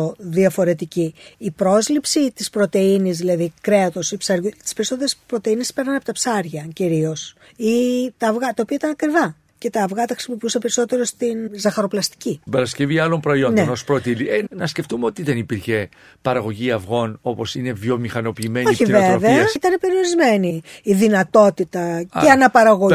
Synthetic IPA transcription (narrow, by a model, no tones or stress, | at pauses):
ðiɐfo̞ɾe̞t̪iciːpɾo̞zlipsit̪ispɾo̞t̪e̞inizðilɐðikɾe̞ɐt̪o̞sipsɐɾut̪i̥spe̞ɾiso̞t̪eɾespɾo̞t̪e̞iniespe̞ɾnɐnɐpot̪ɐpsɐɾʝɐciɾio̞s | it̪ɐːvɣɐt̪ɐo̞piɐit̪ɐnɐkɾivɐ | ce̞t̪ɐːvɣɐt̪ɐxɾi̥simopiusɐpe̞ɾiso̞t̪e̞ɾo̞st̪inzɐxɐɾo̞plɐst̪i̥cit̪ibɐɾɐsceviɐlo̞mpɾo̞io̞nndnenospɾo̞t̪ilienɐsce̞ft̪umeo̞t̪iðenipiɾçe̞ | pɐɾɐɣo̞ʝiɐfɣo̞no̞po̞sine̞vjo̞mixɐno̞piːme̞noiçiveveɐit̪ɐne̞pe̞ɾio̞ɾizme̞niːðinɐt̪o̞t̪it̪ɐeɐnɐpɐɾɐɣo